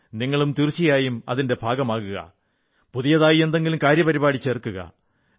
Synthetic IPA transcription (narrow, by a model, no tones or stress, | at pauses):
niŋːɐɭumt̪irt͡ɕːijaːjumɐ̰ðinde̞bʱaːɡɐmaːɣuɣɐ̰ | puðijɐðaːjie̞nd̪e̞ŋɡilumkaːɾjɐpɐɾibaːɽit͡ɕːerkːuɣɐ̰